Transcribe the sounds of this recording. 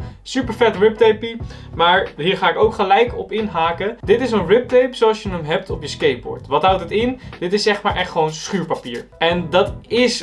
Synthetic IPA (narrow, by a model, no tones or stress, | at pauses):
sypəɹfɛtrɪp̚tejpi | maːɹɦiːɹχaːɪkowkχəlɛjkɔpɪnɦaːkəd̥ɪtɪsənrɪp̚tejpsoɑlˠsjənəmɦɛp̚tɔpjəskejt̚bɔ̰ɹtʋɑtɦʌwtətɪnd̥ɪtɪsːɛχmaːɹʔɛχtχəʋownsχyːɹpapiːɹʔɛndɑtɪs